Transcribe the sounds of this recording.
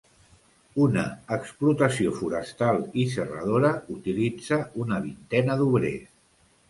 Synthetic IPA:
unəːksplut̪əsiofuɾəst̪alˠisərə̰ð̞oɾəut̪ilid͡zəunəβ̞int̪ɛnəðuβɾe

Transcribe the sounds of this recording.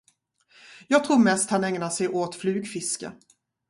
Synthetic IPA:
jɑːɡ̚t̪ʰɾuːɾmɛst̪hanɛŋnaʂɛjʔoːt̪flʉ̟ːɡfɪskə̰

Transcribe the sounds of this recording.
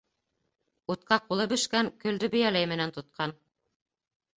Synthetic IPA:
ut̪̚qɑqulˠɤbɵ̆ʃkæŋkɵ̆ld̪ɵbɘ̆jælæjmɘ̆nænt̪ŏt̪̚qʰɑn

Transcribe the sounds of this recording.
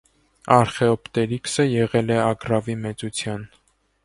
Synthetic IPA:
ɑɾχɛɔpt̪ɛliksəjɛʁɛlɛɑɡrɑvimɛt͡sut͡sʰjɑn

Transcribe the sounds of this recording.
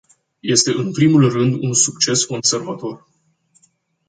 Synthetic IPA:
je̞st̪e̞ʔɨnpɾimulrɨnd̪unsukt͡ʃe̞sko̞nse̞rvat̪o̞r

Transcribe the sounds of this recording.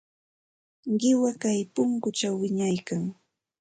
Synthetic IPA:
ɢɪwakajpʊŋkʊt͡ʃawːɪɲajkaŋ

